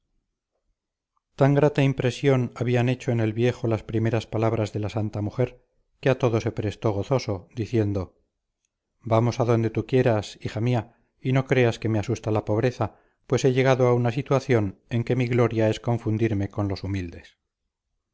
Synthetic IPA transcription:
t̪aŋɡɾat̪aimpɾe̞sjo̞naβiane̞t͡ʃo̞enelβje̞xo̞laspɾime̞ɾaspalaβɾazðe̞lasant̪amuxe̞ɾ | keat̪o̞ðo̞se̞pɾe̞st̪o̞ɣ̞o̞θo̞so̞d̪iθje̞nd̪o̞ | bamo̞saðo̞nd̪e̞t̪ukje̞ɾasixamia | ino̞kɾe̞aske̞me̞asust̪alapo̞β̞ɾe̞θa | pwe̞se̞ʎe̞ɣaðoaunasit̪waθjo̞ne̞ŋke̞miɣlo̞ɾjae̞sko̞ɱfund̪iɾme̞ko̞nlo̞sumild̪e̞s

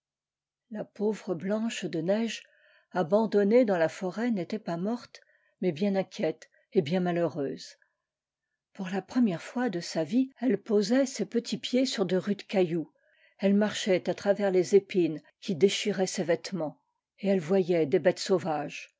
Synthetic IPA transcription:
lapovʁəblɑ̃ʃd̪ənɛʒ | abɑ̃d̪ɔned̪ɑ̃lafɔʁɛnet̪ɛpamɔʁt̪ | mɛbjɛ̃nɛ̃kʲjɛt̪ | ebjɛ̃maløʁøːz | puʁlapχəmjɛʁfwad̪əsaviɛlpozɛsepət̪ʰipjesyʁd̪əʁyd̪kʲaju | ɛlmaʁʃɛt̪at̪χavɛʁlezepin | kʲid̪eʃiʁɛsevɛt̪mɑ̃ | eɛlvwajɛd̪ebɛt̪sovaʒ

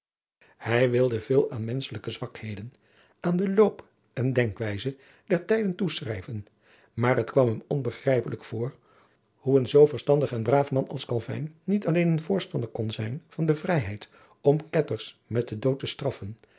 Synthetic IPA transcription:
hɛjʋɪlˠdəv̥ɪːlˠaːnmɛnsələkəzʋɑkhejdən | aːndəlowp | ʔɛndɛŋkʋɛjzə | d̥ɛɹtɛjdəntusrɛjvən | maːɹɦətkʋɑmɦəmɔnbəχrɛjpələkfʊːr | huənzowvəɹstɑndəχɛnbraːfmɑnɑ̰lˠskɑlˠvɛ̰jnːitɑlejnənvʊːɹstɑndəɹkɔnzɛjnv̥ɑndəvrɛjɦɛjt | ɔmkɛtəɹsmɛt̚dədowtəstrɑfən

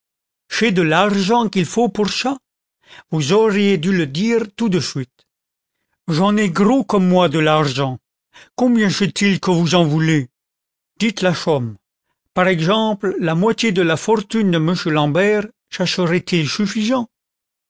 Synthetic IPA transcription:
fɛd̪əlaʁʒɑ̃kilfopuʁsa | vuzɔʁjed̪yləd̪iːʁt̪ud̪əsɥit̪ | ʒɑ̃nɛɡʁokɔmːwad̪əlaʁʒɑ̃ | kɔ̃bjɛ̃fɛt̪ilkəvuzɑ̃vule | d̪̥it̪laʃɔm | paʁɛɡzɑ̃pllamwat̪jed̪əlafɔʁt̪ynd̪əməsjølɑ̃bɛʁ | ʃɛʁʃəʁɛt̪ilsyfizɑ̃

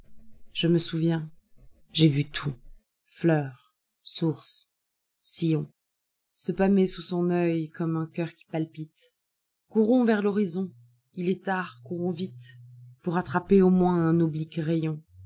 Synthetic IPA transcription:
ʒəməsuvjɛ̃ | ʒevyt̪ʰu | flœʁ | suʁs | sijɔ̃ | səpamesusɔ̃nœjkʰɔmɛ̃kʲœʁkʲi̥palpit̪ | kuʁɔ̃vɛʁlɔʁizɔ̃ | ilɛt̪aʁkuʁɔ̃vit̪puʁat̪χapeomwɛ̃ɛ̃nɔblikʁejɔ̃

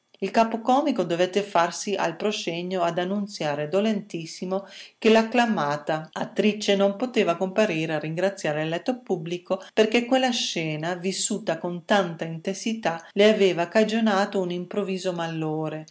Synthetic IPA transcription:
ilkaːpokɔːmikod̪ovet̪ːefarsia̰lpɾosɛɲːoad̪anːunt̪sjaːɾed̪olent̪isːimokelaklamaːt̪aat̪ːɾit͡ʃːenompot̪eːvakompaɾiːɾeariŋɡɾat̪sːjaːɾelɛt̪ːopublikoperkekwelːaʃɛːnavisːuːt̪akont̪ant̪aint̪ensit̪aleaveːvakad͡ʒonaːt̪ounimpɾoviːzomalːoːɾe

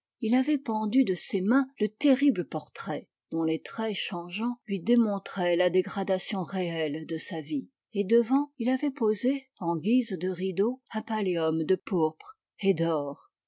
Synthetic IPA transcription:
ilavɛpɑ̃d̪yd̪əsemɛ̃lət̪eʁibləpɔʁt̪χɛ | d̪̥ɔ̃let̪χɛʃɑ̃ʒɑ̃lɥid̪emɔ̃t̪χɛlad̪eɡʁad̪asjɔ̃ʁeɛld̪əsavi | ed̪əvɑ̃ilavɛpoze | ɑ̃ɡʲizd̪əʁid̪oɛ̃paleɔmd̪əpuʁpχ | ed̪ɔːʁ

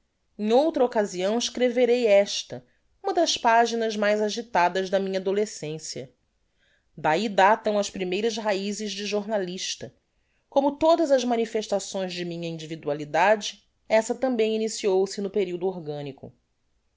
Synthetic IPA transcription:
ẽŋ̃owt̪ɾɐokaziɐ̃w̃ɪʃkɾeveɾejɛʃt̪ɐ | ũmɐd̪ɐspaʒinɐzmajzaʒit̪ad̪ɐzd̪ɐmĩɲɐad̪olesẽsiɐ̰ | d̪aid̪at̪ɐ̃w̃ɐʃpɾimejɾɐzɦaizɪʒd͡ʒɪʒoɾnaliʃt̪ɐ | kõmʊt̪od̪ɐzɐzmɐnifeʃt̪asõj̃zd͡ʒɪmĩɲɐĩnd͡ʒivid̪ualid̪ad͡ʒɪ | ɛsɐt̪ɐ̃mbẽj̃inisiowsɪnʊpeɾiwd̪ʊoɾɡɐ̃nikʊ̰

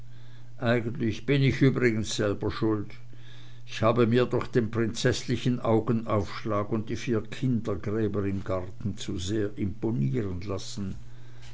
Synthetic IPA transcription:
ʔaɪɡəntlɪçb̥ɪnɪçʔyːbʁɪɡən̩sz̥ɛlbɐʃʊlt | ɪçhaːbəmiːɐdɔχd̥eːnpʁ̥ɪnt͡sɛslɪçənʔaʊɡənʔaʊfʃlaːɡʊnt̚d̥iːfiːɐkʰɪndɐɡʁɛːbəʁɪmɡaʁtn̩t͡suzeːɐʔɪmponiːʁənlasn̩

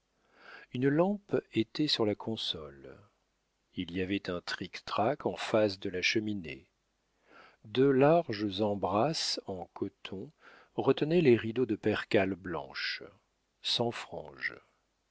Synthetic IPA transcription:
ynlɑ̃pet̪ɛsyʁlakʰɔ̃sɔl | iliavɛt̪ɛ̃t̪χikt̪χakɑ̃fas̬d̪əlaʃəminḛ | d̪ølaʁʒzɑ̃bʁasɑ̃kɔt̪ʰɔ̃ | ʁət̪ənɛleʁid̪od̪əpɛʁkʲalblɑ̰̃ʃ | sɑ̃fχɑ̃ʒ

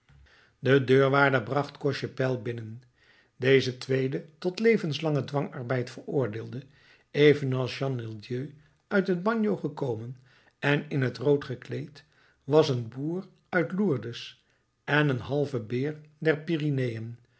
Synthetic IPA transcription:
dədøːɹʋaːdəɹbrɑχtkɔʃəpɛlˠbɪnən | dejzətʋejdətɔtlejvənslɑŋədʋɑŋɑɹbɛjtfəɹʊːɹdɪːlˠdə | ejvənɑlˠsʃɑnmɪlˠdjøː | œɥtɦəd̚bɑɲjowχəkowmən | ɛnɪnɦətrowtχəklejt | ʋɑsənbuːr | œɥtluːɹdəs | ɛnənɦɑlˠvəbɪːɹdɛɹpirinejən

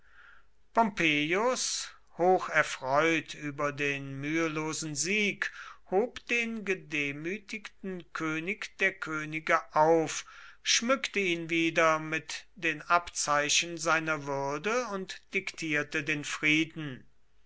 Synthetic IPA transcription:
pɔmpeːjʊs | hoːxɛɐfʁ̥ɔʏtʰyːbɐdeːnmyːəloːzn̩ziːkhoːpd̥eːnɡədeːmyːtɪktn̩kʰøːnɪkd̥eːɐkʰøːnɪɡəʔaʊfʃmʏktəiːnviːdɐmɪtd̥eːnapt͡saɪɕən̩zaɪnɐvʏɐdəʊntd̥ɪktʰiːɐtədeːnfʁ̥iːdn̩

